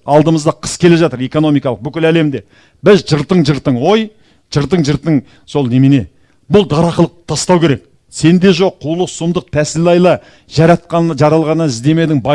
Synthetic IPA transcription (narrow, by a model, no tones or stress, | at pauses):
ɑlˠd̪əməzd̪ɑqʰə̥skʲʰe̞le̞ʒɑt̪əɾe̞ko̞no̞mijkɑlˠəq̚bʏkʲɪlæle̞md̪e̞ | bɪzʒəɾt̪əɴʒəɾt̪əɴwo̞j | ʒ̥əɾt̪̬əɴʒəɾt̪əɴ | so̞lˠnemene̞ | bʊlˠd̪ɑɾɑχəlˠəqt̪ʰɑst̪ɑwkʲe̞ɾe̞k̚ | se̞nd̪e̞ʒo̞qʰːulˠəqsʊmd̪əq̚p̪ʰæsɪlɑjlˠɑ | ʒɑɾɑt̪̚qɑnʒɑɾɑlˠʁɑnːɑɪzd̪e̞me̞d̪ɪŋbɑ